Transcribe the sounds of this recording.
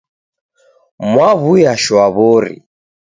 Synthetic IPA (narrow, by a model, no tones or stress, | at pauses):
mwaβujaʃwaβɔɾḭ